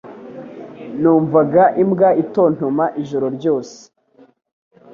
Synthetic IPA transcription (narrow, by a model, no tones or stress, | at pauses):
nuːɱvaɡaʔimɡaito̞ːn̥omaʔiʒoɾo̞ɾɟoːse̥